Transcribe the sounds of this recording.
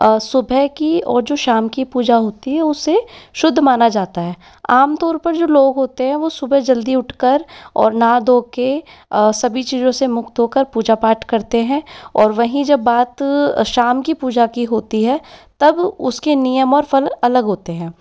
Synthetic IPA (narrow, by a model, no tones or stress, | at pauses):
sʊbʱɛkiɔ̰ːɾd͡ʒoːʃaːmkipuːd͡ʒaɦoːt̪iɦɛʊsːeʃʊd̪ʱːmaːnad͡ʒaːt̪aɦɛː | aːmt̪ɔːɾpɐɾd͡ʒoːloːɡɦoːt̪eɦɛ̃ʋosʊbʱɛd͡ʒɐld̪iʊʈʰkəɾɔ̰ːɾnad̪oːkesɐbʱit͡ʃiːzõsemʊkt̪ɦoːkəɾpuːd͡ʒapaːʈkɐɾt̪eɦɛ̃ːɔːɾʋɐɦĩd͡ʒɐbːaːt̪ʃaːmkipuːd͡ʒakiɦoːt̪iɦɛːt̪ɐbʊskenijəmɔːɾfɐlɐləɡɦoːt̪eɦɛ̃ː